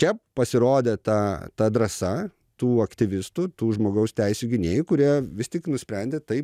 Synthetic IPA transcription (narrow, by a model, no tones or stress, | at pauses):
t͡ʃʲɛppɐsʲɪɾoːd̪ʲɛt̪ɐt̪ɐd̪ɾɐsɐ | t̪uːɐkt̪ʲɪʋʲɪst̪ut̪uːʒmoːɡɐʊst̪ʲɛɪsʲuːɡʲɪnʲeːjkʊɾʲiɛʋʲɪst̪ʲɪknʊsʲpʲɾʲɛnʲd̪ʲet̪ɐɪp